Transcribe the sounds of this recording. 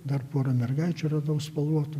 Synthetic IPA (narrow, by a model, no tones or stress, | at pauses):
d̪ɐrpuɔːɾɐmʲɛrɡɐɪt͡ʃʲʊrɐd̪ɐʊspɐlˠuɔt̪ʊ